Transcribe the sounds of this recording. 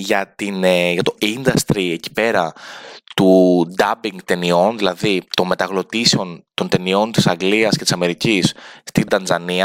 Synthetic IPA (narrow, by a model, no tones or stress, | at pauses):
ʝɐt̪ineʝɐt̪o̞ind̪ɐst̪ɾieci̥pe̞ɾɐt̪ud̪ɐbiŋɡt̪e̞nio̞nðilɐðit̪o̞nme̞t̪ɐɣlo̞t̪iseo̞nt̪o̞nt̪e̞nio̞nt̪isɐŋɡliɐscet̪isɐme̞ɾicisst̪ind̪ɐnzɐniɐ